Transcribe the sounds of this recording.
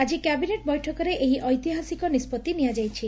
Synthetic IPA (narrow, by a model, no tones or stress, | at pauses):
ad͡ʒikɛbineʈ̚bɔjʈʰɔkɔɾeʔeɦiʔɔjt̪iɦasikɔnispɔt̪ːinijad͡ʒajt͡ʃʰi